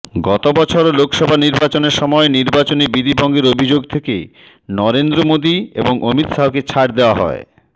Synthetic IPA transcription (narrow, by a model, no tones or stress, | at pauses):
ɡɔt̪obɔt͡ɕʰoɾlokʃɔbʱaniɾbat͡ɕoneɾʃɔmɔeniɾbat͡ɕonibid̪ibʱɔŋɡeɾobʱid͡ʑoɡ̚t̪ʰeke | nɔɾend̪ɾomod̪iḛboŋʔomit̪ʃaoket͡ɕʰaʈd̪eoaɦɔ̰e